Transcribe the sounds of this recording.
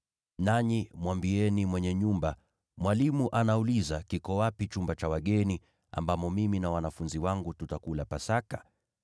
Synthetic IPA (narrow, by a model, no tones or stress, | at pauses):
naɲimwambiɛnimwɛɲɛɲumba | mwalimuʔanaulizakikɔwapit͡ʃumbat͡ʃawaɠɛni | a̰mbamɔmiminawanafunziwaŋɡututakulapasakḁ